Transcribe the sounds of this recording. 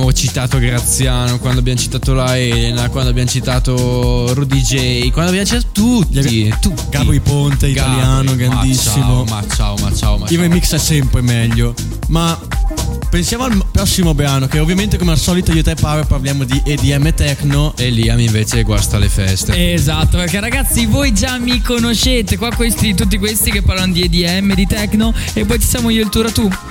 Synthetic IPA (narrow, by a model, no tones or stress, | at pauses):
mot͡ʃit̪aːt̪oɡɾat̪sːjaːnokwand̪oabjamot͡ʃi̥t̪aːt̪olaɛlenakwand̪oabjamot͡ʃit̪aːt̪oɾod̪id͡ʒɛjkwand̪oabjamot͡ʃit̪at̪ot̪ut̪ːit̪ut̪ɡavoipont̪eik̪aljaːnoɡɾand̪issːimomat͡ʃa̰oma̰t͡ʃaːomaivemiksɛsɛmpɾemɛʎːo | ma | pensjaːmoalmpɾɔsːimobeanokeovːjament̪̬ekomealsɔːlit̪oiːot̪ɛpːaɾoparljaːmod̪iʔed̪iɛmːet̪ɛknoʔelːiamiɱveːt͡ʃeɡwa̰st̪alḛfɛst̪ezat̪ːoperkerːaɡat̪sːivojd͡ʒamːikonot͡ʃːeːt̪ekwakwest̪it̪ut̪ːikwest̪ikepːaɾrlanod̪ied̪iɛmːed̪it̪ɛknoepːɔjt͡ʃ̪i̥sjaːmoiːoilt̪uɾat̪u